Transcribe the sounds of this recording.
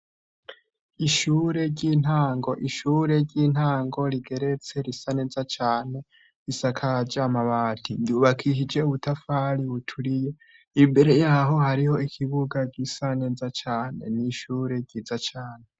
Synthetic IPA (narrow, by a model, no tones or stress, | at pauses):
iʃuɾe̞ɾɟiːn̥aːŋɡo̞ʔiʃuːɾe̞ɾɟiːn̥haːŋɡo̞ɾiɡe̞ɾe̞t͡se̞ɾisane̞ːzat͡ʃaːne̞ | ɾisakʰad͡ʒamaβaːtʰijuβakʰiʃid͡ʒe̞uβutafaɾiβutʰuɾije̞ | imbe̞ɾe̞jaːɦo̞haɾiho̞ikʰiβuɡaɡisane̞ːzat͡ʃaːne̞̰niʃuːɾe̞ɾɟizat͡ʃaːne